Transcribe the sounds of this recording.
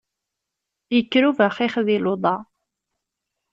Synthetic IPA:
jəkːɾuvæχiχðiloðˤɑ

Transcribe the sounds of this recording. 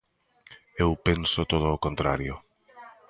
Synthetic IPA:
ewpensʊt̪oð̞oːkõnt̪ɾa̰ɾjʊ

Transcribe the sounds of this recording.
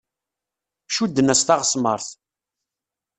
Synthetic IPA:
ʃud̪ːənæst̪aʁsməɾˤθ

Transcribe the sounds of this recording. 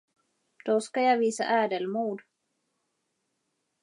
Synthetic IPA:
d̪̥ɔskajɑːviːsa̰ʔæːɖəlmuːd̪

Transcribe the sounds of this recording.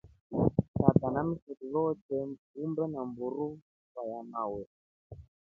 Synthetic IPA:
tatanamisɔɗilɔtɛ | umbɛnambuɾu | kajamawɛ

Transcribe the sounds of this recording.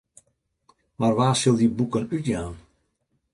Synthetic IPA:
marʋaːsɪlˠdibukənytjaːn

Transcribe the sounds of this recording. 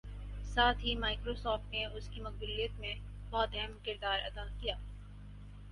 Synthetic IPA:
saːt̪ʰɦimaːɪkɾosɔːfʈneʊskimɐk̚bʊlijət̪mẽ | bɔːt̪ɛɦɛmkɪɾd̪aːɾɐd̪akijaː

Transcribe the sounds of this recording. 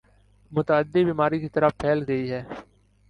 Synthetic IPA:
mʊt̪əəd̪ːibiːmaːɾikit̪ɐɾəpʰɛːlɡɐiɦɛː

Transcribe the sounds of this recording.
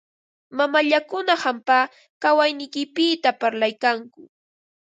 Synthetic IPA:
mamaʎakʊnahampaː | kawajnɪjkɪpɪt̪apaɾlajkaŋkʊ

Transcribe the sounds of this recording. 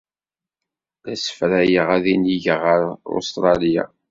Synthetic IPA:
ðæsə̥fɾæjəʁæðiniʝəʁəɾo̰st̪ɾˤɑlija̰

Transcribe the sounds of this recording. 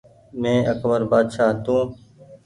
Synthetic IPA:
mẽːəkbəɾbaːd̪ʃaːt̪ũː

